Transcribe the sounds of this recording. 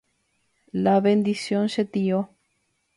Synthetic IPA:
laβend̪isjonʃet̪io

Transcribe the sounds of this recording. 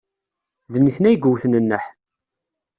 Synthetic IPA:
ðənːiθnæjɡuwθnənːəħ

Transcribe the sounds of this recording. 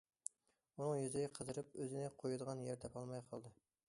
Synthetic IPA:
unɨŋjyzɪɡʲɛqʰəzɨɾɨpøzɪnɪqʰojud̪əʁɑnjɛɾt̪ʰɛpɑlˠmɑjqʰɑlˠd̪ɨ

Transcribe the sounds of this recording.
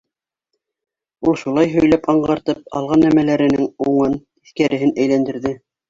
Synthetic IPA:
ulˠʃulˠɑjɦɵ̆jlæpɑɴɢɑɾt̪ɤp̚ɑ̰lˠʁɑnːæmælæɾɘ̆nɘŋuɴɤn | iθkæɾɘ̆ɦɘnæjlænd̪ɘ̆ɾðɘ

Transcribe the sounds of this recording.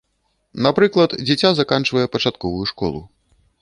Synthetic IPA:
napɾɨklˠɐt̪d͡zʲɛt͡sʲazakant͡ʂvɐjɛpɐt͡ʂat̪kɔvujuʂkɔ̰lˠṵ

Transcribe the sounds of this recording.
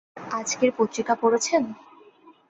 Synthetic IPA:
ad͡ʑkeɾpot̪ːɾikapoɽet͡ɕʰen

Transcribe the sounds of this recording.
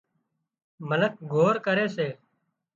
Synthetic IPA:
mələk̚ɡʱoːɾkəɾeːseː

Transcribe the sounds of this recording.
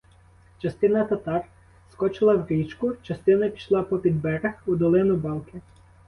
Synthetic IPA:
t͡ʃɐst̪ɪnɐt̪ɐt̪ɑr | skɔt͡ʃɪlˠɐwɡit͡ʃkʊt͡ʃɐst̪ɪnɐpʲi̥ʃlˠɑpɔpʲid̪bɛɾɐxud̪ɔlˠɪnʊbɑlˠkɪ

